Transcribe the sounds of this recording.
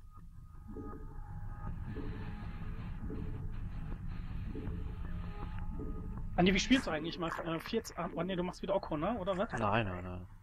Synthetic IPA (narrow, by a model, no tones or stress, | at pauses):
ʔaneːviʃpilsd̥uʔaɪɡŋ̩tlɪçmaːlʔɛːfiːɐtamʔoneːduːmaχstviːdɐʔɔkʰoːnəʔoːdɐvɛtnaɪna̰naɪn